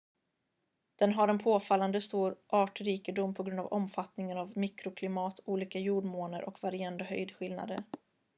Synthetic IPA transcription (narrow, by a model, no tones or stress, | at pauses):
d̪̥ɛnɦaɾɛnpʰoːfalːand̪əst̪uːɾʔɑːʈɾiːkɪd̪ʊmpʰɔɡɾɵnd̪a̰vɔ̰mfat̪nɪŋənavmikɾʊkʰlɪmɑːt̪ʰuːliːkajuːɖmoːnə̰ɾʔɔ̰kvaɾɪand̪əɦœ̰jd̪ɧɪlna̰d̪ə̰ɾ